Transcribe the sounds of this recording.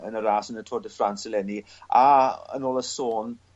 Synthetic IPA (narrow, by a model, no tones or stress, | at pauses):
ənəɾaːsənətʰoːdəfransəlɛni | aə̰noːlˠəsoːn